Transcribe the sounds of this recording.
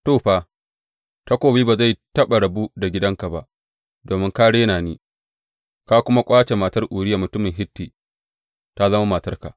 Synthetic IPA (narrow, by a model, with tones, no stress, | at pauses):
toː˦˨ɸa˦ | ta˦kʷoː˨biː˦ba˨za˦˨jtɐ˦ɓa˨ɽɐ˨bu˦da˨ɡʲɪ˦dɐ˦ŋka˨ba˦ʔ | doː˨mɪ˦ŋka˦ɽeː˦naː˨niː˦ | ka˦kʷʊ˦ma˦kʷʼaː˦t͡ʃe˨ma˨tɐ˦rʔu˨ɽɪ˦ja˨mʊ˨tʊ˦mɪ˨ŋɦɪ˦tːiː˨ | ta˦zɐ˦ma˦ma˨tɐ˦rka˨ʔ